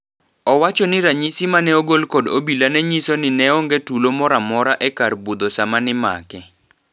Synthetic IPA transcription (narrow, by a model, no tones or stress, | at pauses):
ɔwat͡ʃɔnɪɾaɲisimanɛoɡolkodobilanɛɲisonɪnɛɔŋɡɛtulomɔɾamɔɾaʔɛkarbud̪osamanɪma̰kɛ